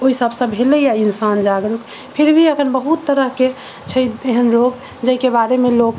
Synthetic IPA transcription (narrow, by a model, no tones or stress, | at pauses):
oisəbsə̃bʱɦeləjainsand͡ʒaɡɾuk | pʰiɾbʱiəkʰənbəɦut̪ːəɾəɦke | t͡ʃʰəj̪eɦənloɡ | d͡ʒəikebaɾemelok